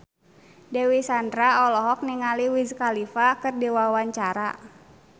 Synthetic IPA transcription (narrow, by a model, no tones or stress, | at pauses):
dɛwisandɾaɔlɔɦɔk̚niŋaliwizkalifakɨrdiwawaɲt͡ʃaɾa̰